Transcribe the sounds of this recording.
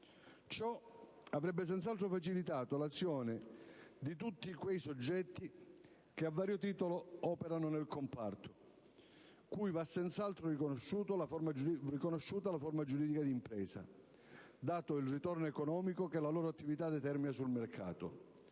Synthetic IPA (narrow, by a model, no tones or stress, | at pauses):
t͡ʃɔ | avɾɛbːes̬ɛnt̪salt̪ɾofat͡ʃilit̪aːt̪olat̪sːjɔːnɪd̪it̪ut̪ːikwejsod͡ʒːɛt̪ːi | k̟eavːaːɾjot̪iːt̪oloɔːpeɾanonelkompart̪o | kujvasɛnt̪salt̪ɾorikonoʃːuːt̪olafoɾmad͡ʒrikonoʃːuːt̪alafoɾmad͡ʒuɾiːd̪ikad̪iːmpɾɛːsa̰ | d̪aːt̪oilrit̪ornoekonɔːmikokelaloːɾoat̪ːivit̪ad̪ɛt̪ɛrminasulmerkʰa̰ːt̪o̰